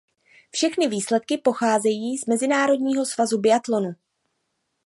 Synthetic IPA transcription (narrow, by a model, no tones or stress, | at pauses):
fʃɛxnɪviːslɛt̪̚kɪpo̞xaːzɛjiːzmɛzɪnaːɾo̞dɲiːɦo̞svazubɪat̪lo̞nu